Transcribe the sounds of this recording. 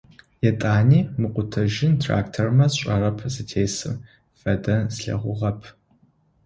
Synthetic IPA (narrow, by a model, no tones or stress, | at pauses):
jɛtʼaːniːmɨqʷʼʊtʰɐʒɪntʰra̰ːktʰormɐɕʷʼɐrɐpʰzɨtʰeːsɨ̰m | fɐdɐzɬɐ̰ʁʷʊʁɐpʰ